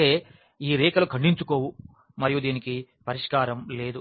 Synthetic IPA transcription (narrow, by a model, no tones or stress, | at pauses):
eː | iːɾiːkɐlukʰɐɳɖiɲt͡ʃuko̞ːwu | mɐɾijud̪iːniki | pɐɾiʂkaːɾɐmle̞ːd̪u